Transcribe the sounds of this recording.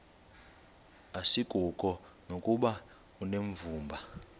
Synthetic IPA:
asiɡ̥ʱukʼɔ | nokʼuɓa | uneɱvuːmbʱa

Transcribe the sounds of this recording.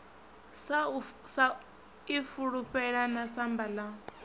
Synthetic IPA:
sasa | ifuɺupʼɛɺanasambala

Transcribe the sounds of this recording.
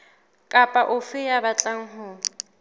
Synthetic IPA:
kʼapʼaʔʊfɪjabat͡ɬʼaŋ̩ɦʊ

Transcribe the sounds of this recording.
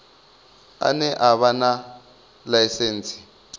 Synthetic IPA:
a̰nɛʔaβana | lajiseːnt͡sʰʼi̥

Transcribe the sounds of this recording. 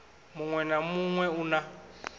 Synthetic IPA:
muŋwɛnamuŋwɛuna

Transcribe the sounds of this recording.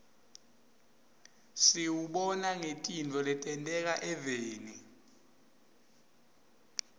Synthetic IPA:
siwuɓɔnaŋetʼindʱɔlɛtʼɛntʼɛk̬aʔɛveːni

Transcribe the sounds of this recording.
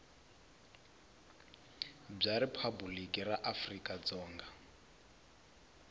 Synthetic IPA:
b͡ʐaɾipʰabulikʼiraʔafrikʼad͡zɔːŋɡa

